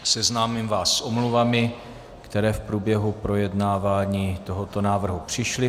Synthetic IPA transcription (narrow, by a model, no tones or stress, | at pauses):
sɛznaːmɪmvaːsːʔomluvamɪ | kt̪ɛɾɛːfpɾuːbjɛɦupɾo̞jɛdnaːvaːɲiːt̪o̞ɦot̪o̞naːvr̩ɦupr̝̥ɪʃlɪ